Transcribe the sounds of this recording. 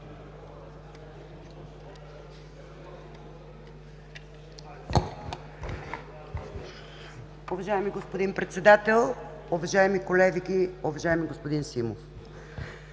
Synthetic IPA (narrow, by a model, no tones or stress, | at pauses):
ʊvɐʒaɛmiɡospod̪inpɾɛt̪sɛd̪at̪ɛlˠ | ʊvaʒaɛmikolɛvikiʊvɐʒaɛmiɡospod̪insimof